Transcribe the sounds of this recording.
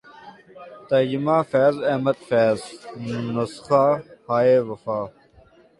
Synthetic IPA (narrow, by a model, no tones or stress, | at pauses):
t̪ɐd͡ʑɪmaːfɛːzɐːmɐt̪feːznɐsxaːhaːeːʋɐfaː